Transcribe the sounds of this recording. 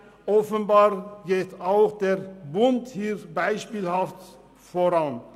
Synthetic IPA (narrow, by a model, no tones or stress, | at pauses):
ʔɔfənbaːʁɡeːtaʊxd̥eːʁbʊnthiːʁbaɪʃpiːlhaft | foʁan